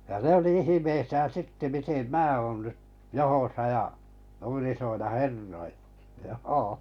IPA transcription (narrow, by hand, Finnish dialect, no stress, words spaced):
jɑ ne oli ihimeisæːn̞ sitːe mitem mæː oːn nyt johosɑ jɑ nuin isʲoilːɑ herːoilːɑ̥ joː